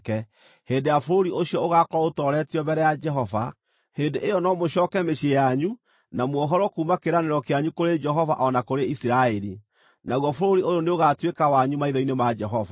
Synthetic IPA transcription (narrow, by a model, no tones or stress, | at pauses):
kɛ | heːndejafoɾoɾioɕiɔoɣakɔɾaotɔɾɛtiɔbɛɾɛjad͡ʒɛɦɔva | heːndeʔejɔnɔmoʃɔːkɛmeʃiejaɲu | namwɔɦɔɾɔkuːmakeɾaneɾɔkeaɲukoɾed͡ʒɛɦɔva̰ʔɔnakoɾeisiɾaɛɾi | naɣwɔfoɾoɾiojoneoɣatwekawaɲumaiðɔinemad͡ʒɛɦɔva